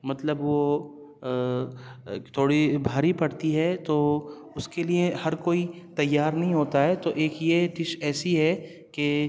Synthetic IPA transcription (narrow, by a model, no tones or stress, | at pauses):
mɐt̪ləbʋo | t̪ʰoːɽibʱaːɾipɐɽt̪iɦɛt̪oː | ʊskeliehɐɾkoːi | t̪ɐjːaːɾnɐɦĩɦoːt̪aɦɛt̪oʔeːkjeʈɪʃɛːsiɦɛ | ke